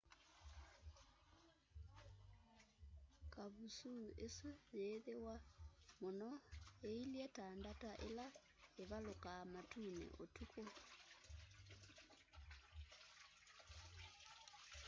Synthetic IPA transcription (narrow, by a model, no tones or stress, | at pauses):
kaβusuːesujeːðewamonɔeiliɛtandataʔela | eβalokamatuːnɛ̰ʔotukʰo